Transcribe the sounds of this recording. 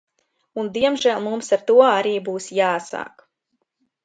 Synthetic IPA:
und̪iɛmʒæːlˠmumsaɾt̪uɔaɾiːbuːsjaːsa̰ːk

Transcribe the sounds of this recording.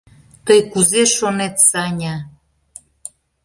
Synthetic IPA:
t̪əjkuzeʃonet̪sɑnʲɑ

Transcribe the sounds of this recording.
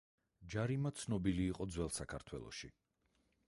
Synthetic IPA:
d͡ʒaɾimat̪sʰnɔbiliːqʼɔd̪zwɛlˠsakʰaɾt̪ʰwɛ̰lˠɔ̰ʃi

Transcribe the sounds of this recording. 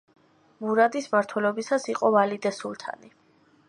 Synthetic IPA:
muɾad̪ismaɾt̪ʰwɛlɔbisasiqʼɔvalid̪ɛsulˠt̪ʰa̰ni

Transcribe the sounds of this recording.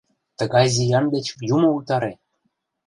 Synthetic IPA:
t̪ə̆ɣɑjzijɑnd̪et͡ɕjumɤ̆ut̪ɑɾe

